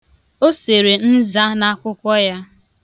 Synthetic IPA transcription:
o˦se˨ɾe˨n̩˦za˦na˦kʷʊ˦kʷɔ˦ja˦

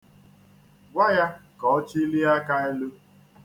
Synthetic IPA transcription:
ɡʷa˦ja˦kɔ˨ɔ˦t͡ʃi˦li˦a˦ka˦e˦lu˦

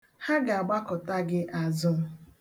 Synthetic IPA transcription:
ha˦ɡa˨a˨ɡ͡ba˦kɔ˨ta˦ɡɪ˦ʔa˨zʊ˦

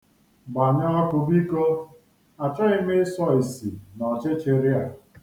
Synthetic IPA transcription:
ba˨ɲa˦ɔ˦kʊ˨bi˦ko˦ | a˨t͡ʃɔ˦ɪ˦me˦sɔ˦i˨si˨nɔ˨t͡ʃɪ˦t͡ʃe˨ɾja˨

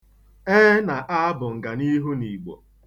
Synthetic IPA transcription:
e˦na˨ʔa˦bʊ˨ŋ̩˨ɡa˨ni˦ɦu˦ni˨ɡ͡bɔ̰˨

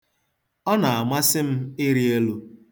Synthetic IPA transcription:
ɔ˦na˨a˨ma˦sɪ˦m̩˦ɪ˦ɾi˦e˦lu˦

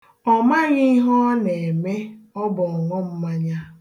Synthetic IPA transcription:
ɔ˨ma˦ɣi˦ɦɔ˦ne˨e˨me˦ɔ˦bɔ˨ŋɔ˦m̩˦ma˦ɲa˦

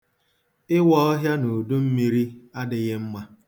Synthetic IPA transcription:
ɪ˦wɔ˦ɔ˦ɦja˦no˨du˦m̩˦mi˦ɾi˦a˦dɪ˨ɣɪ˦m̩˦ma˦

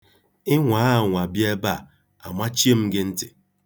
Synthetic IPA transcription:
ɪ˦ŋʷa˨˦˨ŋʷa˨bje˦ba˦˨ | a˨mʷa˦t͡ʃi˦e˦m̩˦ɡɪ˦n̩˦tɪ̥˨

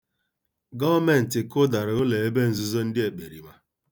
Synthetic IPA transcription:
ɡɔ˦me˨n̩˨tɪ˨ko˦da˨ɾo˦le˨e˦be˦n̩˨zu˦zɔ˦n̩˦dɪ˦e˨k͡pe˨ɾi˨ma˦

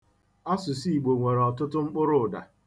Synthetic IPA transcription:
ɔ˦sʊ˨si˦i˨ɡ͡bo˨ŋʷe˨ɾe˨ɔ˨tʊ˦tʊ˦ŋ͡m̩˦k͡pʊ˦ɾʊ˦˨da̰˨

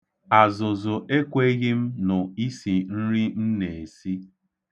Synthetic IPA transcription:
a˨zʊ˨zʊ˨ʔe˦kʷe˦ɣɪ˦m̩˦nʊ˨i˦si˨n̩˦ɾi˦n̩˦ne˨e˨si˦

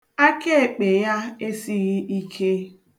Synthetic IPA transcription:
a˦ke˦e˨k͡pe˨ja˦e˦si˦ɣɪ˦ʔi˦kʰe˦

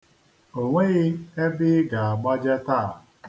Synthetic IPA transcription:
o˨ŋʷe˦ɣɪ˦e˦bɪ˦ɡa˨a˨ɡ͡ba˦d͡ʒa˦taː˦˨

